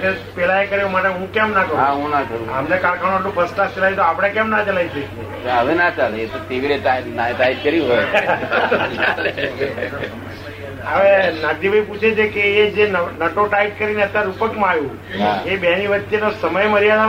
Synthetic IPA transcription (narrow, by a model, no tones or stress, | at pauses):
t̪epɛlaekəɾeũmaʈeɦũkɛ̃mnakəɾaɦũnakəɾũa̰mnekaɾkʰaɽ̃ueʈlũpʰəsklast͡ʃəlajt̪oapɽ̃ekɛ̃mnat͡ʃəlait̪ek | əʋenat͡ʃaleet̪oʈiʋiɾeʈanaeʈaiʈ̚kəɾiũɦoj | t͡ʃale | aʋenaɡ̚d̪ibʱaiput͡ʃʰed͡ʒekeːd͡ʒennəʈoʈaiʈ̚kəɾineət̪ːaɾupəkmãajũ | ɦaebɛniʋət̪ːjenosəməjməɾijaɽa